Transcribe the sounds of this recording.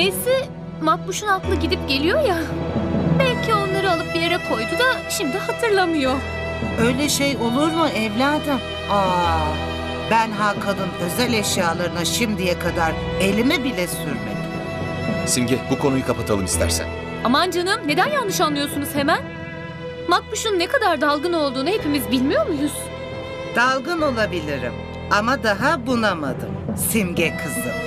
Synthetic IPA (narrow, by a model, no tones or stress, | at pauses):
esɪ | mat̪̚muʃunak̪lˠɯɟid̪ip̚ɟe̞lʲijo̞ja | bælʲcʰio̞nlˠaɾɯalˠɯp̚bijeɾɛkʰo̞jd̪ud̪aʃimd̪ihat̪ʰɯɾlˠamɯjo̞ | ø̞jlʲɛʃejo̞lˠuɾmɯʔɛvlʲaːd̪ɯm | a | bænɦakʰanˠɯnø̞zælʲɛʃjaːlˠaɾɯnaʃimd̪ijɛkʰad̪aɾ | e̞lʲimibilʲɛsyɾmḛd̪im | simɟɛbukʰo̞nujukʰapat̪ʰalˠɯmist̪ʰæ̰ɾsæ̰n | amand͡ʒanɯmne̞d̪ænjanˠːɯʃanlˠɯjoɾsunuz̥hemæn | mak̚buʃunnekʰad̪aɾd̪alˠɡɯno̞lˠd̪uːnuhe̞pimizbilʲmijo̞ɾmuj̪uz̥ | d̪̥alˠɡɯno̞lˠabilʲiɾḭm | amad̪aɦabunamad̪ɯ̰msimɟɛkʰɯzˠɯ